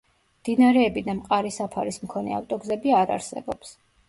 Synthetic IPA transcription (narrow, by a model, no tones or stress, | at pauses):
md̪̥inaɾɛːbid̪amqʼaɾisapʰaɾismkʰɔnɛ̰a̰ft̪ʼɔɡzɛbiaɾa̰ɾsɛ̰bɔps